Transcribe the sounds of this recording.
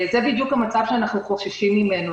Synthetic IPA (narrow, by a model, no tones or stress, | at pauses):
zɛbid̪jukhamat͡savʃeanaχnuχoʃaʃimːimenu